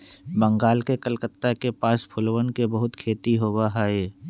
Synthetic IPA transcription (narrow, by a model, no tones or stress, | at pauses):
bə̃ŋɡaːlkekəlkət̪ːakepaːspʰʊlwənkebəɦʊt̪kʰeːt̪iɦoːɡaɦaːeː